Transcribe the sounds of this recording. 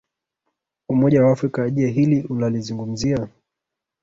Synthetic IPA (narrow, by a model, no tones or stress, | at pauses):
umɔʄawaːfɾikaʄɛɦiliʔunalizuŋɡum̩zia